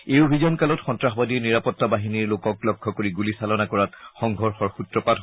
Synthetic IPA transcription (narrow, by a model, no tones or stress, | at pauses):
ejobʱizɔnkalɔtxɔntɹaxɔbadiɹniɹapɔtːabaɦiniɹlokɔklɔkʰːɔkoɹiɡulisalɔnakɔɹatxɔŋɡʱɔɹxɔɹxutɹɔpat